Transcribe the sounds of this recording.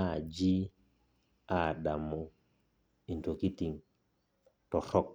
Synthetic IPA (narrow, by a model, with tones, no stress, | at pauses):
ad͡ʒi˦ | a˨ɗamɔ˦ | i˨nto˨ki˦ti˨ŋ | tɔ˨ɾɔ˦k̚